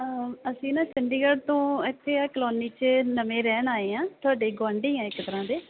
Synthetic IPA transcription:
əsĩːnãːsɪɳɖiːɡəɖt̪õːɪt̪ʰːeːaːklɔːniːt͡ʃənəmẽːɾɛːnaːeːãːt̪ʊaːɖeːɡʊaːɳɖeːãːɪkt̪əɾãːd̪eː

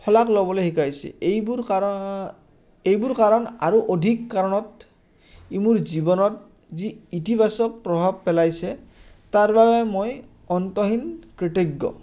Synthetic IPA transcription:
kʰɔlaklɔbɔlejhikajsɛ̰ejbuɹ | ejbuɹkaɹɔnaɹuʔodʱikːaɹɔnɔt | imuɹzibɔnɔt̚ | ziitibʱasɔk̚pɹɔbʱab̚pɛlajsɛ | taɹbabɛmoj | ɔntɔɦinkɹitiɡːɔ̰

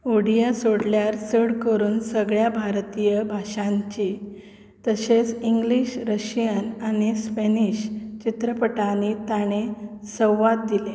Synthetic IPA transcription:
oɽijasoɽljaɾsəɽkəɾuːnsəɡɭjabʱaɾt̪ijəbʱaʂãɲt͡ɕi | t̪əɕet͡siŋɡliɕɾəɕijənaɽ̃ispeniɕt͡ɕit̪ɾəpəʈañit̪aɽ̃esəwʋat̪̚d̪ile

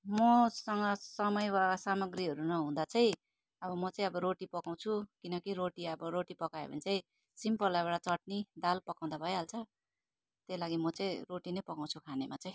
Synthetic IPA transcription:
mʌsʌŋɡʌsʌmʌjwasamʌɡriɦʌɾunʌɦũd̪at͡sʌĩ | ʌbʌmʌt͡sʌĩʌbʌɾoʈipʌkaw̃t͡sʰukinʌkiɾoʈiʌbʌɾoʈipʌkaḛbʌ̰nit͡saĩ | simpʌlajbaɽat͡sʌʈ̚nid̪alpʌkaw̃d̪abʱʌeɦalt͡sʰʌ | t̪elaɡimʌt͡saĩroʈinʌjpʌkaw̃t͡sʰukʰanemat͡sʌĩ

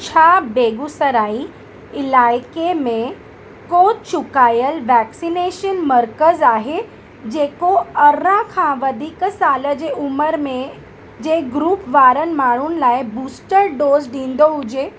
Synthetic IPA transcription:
t͡ɕʰaːbeːɡusəɾaːi | ɪlaːɪkemẽ | koːt͡ʃʊkaːjəlʋɛːksineːʃənməɾkəzaːɦe | d͡ʑeːkoɐɾãkʰãʋɐd̪ʱiksaːləd͡ʑeʔʊməɾmẽ | d͡ʑeːɡɾuːpʋaːɾən̆maːɽ̤unɪ̆laːɪbuːsʈəɾɖoːzɖĩːnd̪oɦʊd͡ʑe

